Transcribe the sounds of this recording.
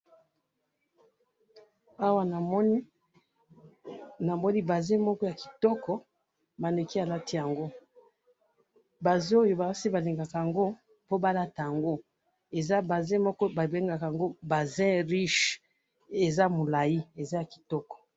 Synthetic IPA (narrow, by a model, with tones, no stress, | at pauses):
a˦wa˦na˨˦ | na˨mɔ˦ni˦ba˨zɛ̃˦mɔ˦kɔ˦ja˨ki˨tɔ˦kɔ˨ | ma˨ne˨ki˦a˨la˦ti˦ja˨ŋɡo˦ | ba˨zo˦˨jo˨ba˨˦si˦ba˨li˨ŋɡa˨ka˨ja˨ŋɡo˦ | po˦ba˦la˦ta˨ja˨ŋɡo˦ | e˨za˦ba˨zɛ̃˦mɔ˦kɔ˦ba˨be˦ŋɡa˨ka˨ja˨ŋɡo˦ba˨zɛ̃˦ʁi˦ʃ | e˨za˦mo˨la˨ji˦e˨za˦ja˨ki̥˨tɔ˦kɔ̥˨